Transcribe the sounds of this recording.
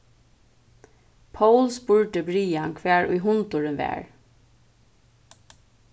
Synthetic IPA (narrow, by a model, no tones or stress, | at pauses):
pʰawlspʊɹʈəbɹiːankʰʋɛːɹʊ̰jɦʊnt̪ʊɹɪnʋæ̰ːɹ